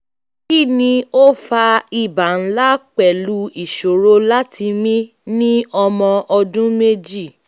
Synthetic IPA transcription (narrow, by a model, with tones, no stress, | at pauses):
ki˦˨nĩ˧o˦fa˧i˦˨ba˨n̩˦la˦k͡pɛ˨lu˦i˨ʃo˨ɾo˦la˦tʰi˧mĩ˦ | nĩ˦ɔ˧mɔ̃˧ʔɔ˧dũ˦me˦d͡ʒi˦˨